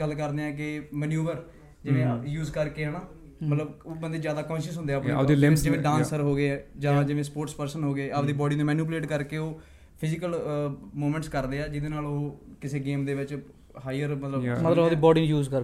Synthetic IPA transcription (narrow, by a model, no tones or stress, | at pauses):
ɡəlːkəɾd̪eːɛ̃ːk̬ɪmənjuːʋəɾ | d͡ʒɪʋẽːjuːzkəɾkeːɦəːnaː | mət̪ləboːbənd̪eːzjaːd̪aːkɔ̃ːnʃəsɦʊ̃nd̪eːaːped͡ʒɪʋẽːɖãːnsəɾɦoːɡeːɛːd͡ʒãːd͡ʒɪʋẽːspoːɾʈspəɾsənɦoːɡeːad̪iːbɔːɖiːnũːmɛːnuːp̬leːʈkəɾkeːoː | pʰɪzɪkəlmoːmɛ̃ːɳʈskəɾd̪eːɛːd͡ʒɪd̪eːnaːloːkɪseːɡeːmd̪eːʋɪt͡ʃ | ɦaːiəɾmət̪ləbmət̪ləd̪iːbɔːɖiːnjuːzkəɾ